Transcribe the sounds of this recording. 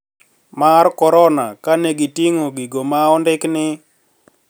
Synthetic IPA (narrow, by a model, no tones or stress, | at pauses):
markɔɾɔna̰kaneɡitiŋoɡiɡomaɔndɪknɪ